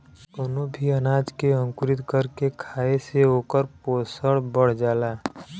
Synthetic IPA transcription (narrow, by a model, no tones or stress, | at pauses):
d̪oːnobʱiənaːd͡ʒkeə̃ŋkʊɾɪt̪kəɾkekʰaːeseoːkəɾpoːsəɽbəɽ̤d͡ʒaːlaː